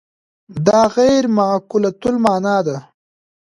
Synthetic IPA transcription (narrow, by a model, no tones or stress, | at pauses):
d̪ɑːɣajɾmaʕkʊlat̪ʊlmɑːnaːd̪a